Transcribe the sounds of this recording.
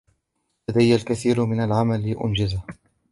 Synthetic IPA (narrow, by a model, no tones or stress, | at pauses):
lad̪ajːalkaθiːɾmɪnalʕamalːiʔʊ̰nd͡ʒɪza